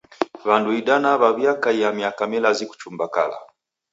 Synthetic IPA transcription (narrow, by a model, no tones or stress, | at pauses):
βanduiɗanaβaβjakaijamiakamilaziku̥t͡ʃumbaka̰la̰